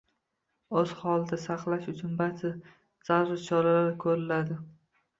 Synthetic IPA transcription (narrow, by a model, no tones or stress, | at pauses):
ɵz̥hɒlˠd̪asɑqlˠaʃʊt͡ʃʰʊnbat̪ʰɪ | z̥aɾɾɪt͡ʃʰɒɾalaɾkʰɵɾɪlad̪ɪ